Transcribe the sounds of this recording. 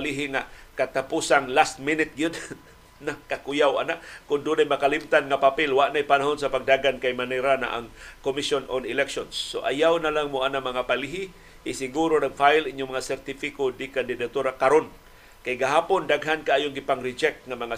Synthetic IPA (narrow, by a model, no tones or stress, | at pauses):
liɦɪŋakat̪apusaŋlast̪̚mɪnɪt̪̚ɡjʊd̪ | nakakʊjawa̰naʔkʊnd̪ʊnajmakalɪmt̪anŋapapɪlwaʔnajpanaɦonsapaɡ̚daɡankajmanɛɾana̰ʔa̰ŋkomisononɪlɛkʃonsːoʔa̰jawnalaŋmʊʔanamaŋapaliɦɪ | ɪsɪɡuɾoɾaɡfajliɲʊmaŋasɛrt̪ifɪkodɪkand̪ɪd̪at̪uɾakaɾon | kajɡaɦaːpondaɡɦankaʔajoŋɡɪpaŋɾɪd͡ʒɛk̚t̪̚ŋamaŋa